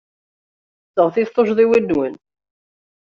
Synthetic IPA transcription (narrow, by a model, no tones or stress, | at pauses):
t͡sːəʁθiθˤoʃðˤiwinːwən